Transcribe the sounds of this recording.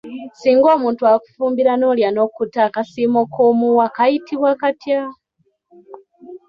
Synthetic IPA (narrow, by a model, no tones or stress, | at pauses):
siːŋɡo̞ːmuːntuaku̥fuːmbiɾanoljano̞kutakasimokʰomuwakajitʰiβwakatja